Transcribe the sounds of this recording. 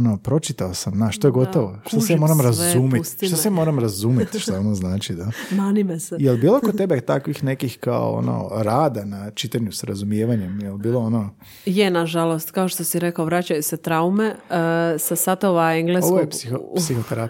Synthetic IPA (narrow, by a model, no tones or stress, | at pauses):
onopɾo̞t͡ʃit̪aosamnaʃt̪ojeɡo̞t̪oʋoʃt̪osemo̞ːɾamɾazumist̪ʃt̪osemo̞ːɾamɾazuːmet̪ʃt̪oonoznaːt͡ʃid̪amanimesejelbiːlˠokott̪ebet̪akʋixnekixka̰o̰o̰no̰ɾaːd̪anat͡ʃit̪aɲusaɾazumjeːʋaɲemjelbiːlˠoono | jenaʒalost̪kaoʃt̪osiɾekaoʋɾat͡ɕajuset̪ɾaume̞sasat̪oʋaeŋɡleoʋojepsixopsixot̪eɾa